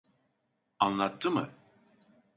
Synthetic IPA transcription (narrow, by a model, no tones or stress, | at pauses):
anlˠat̪ʰːɯmɯ